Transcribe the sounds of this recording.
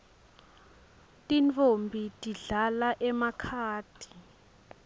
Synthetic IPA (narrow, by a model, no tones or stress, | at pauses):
tʼint͡fʰʼombʱitʼiɮalaʔɛmakʰaːd̥ʰʱi̥